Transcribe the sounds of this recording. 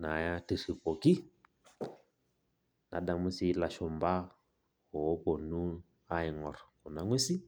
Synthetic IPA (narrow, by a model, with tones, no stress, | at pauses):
na˨ja˦ti˨si˨pɔ˨ki˦ | na̰˨da˨mu˦si˦la˨ʃɔ˨mba˦ | ɔ˨˦pɔ˨nu˦ | a˦i˨ŋɔ˨ɾɔ˨kɔ˨na˦ŋwe˦si˦